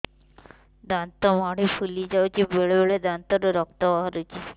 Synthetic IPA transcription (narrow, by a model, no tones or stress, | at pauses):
d̪ant̪ɔmaɽifʰulid͡ʒawt͡ʃibeɭebeɭed̪ant̪ɔɾoɾɔk̚t̪abaɦaɾut͡ʃʰi